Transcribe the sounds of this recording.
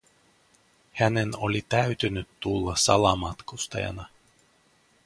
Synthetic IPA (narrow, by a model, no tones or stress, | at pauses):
hænenolit̪æyt̪ynyt̪ːulːɑsɑlɑmɑt̪kust̪ɑ̰jɑ̰nɑ